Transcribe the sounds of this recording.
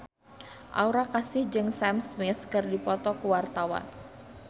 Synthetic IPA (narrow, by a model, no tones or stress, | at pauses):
ʔa̰uɾakasɪhd͡ʒɨŋsamsmɪθkɨrdipɔt̪ɔkəwart̪awa̰n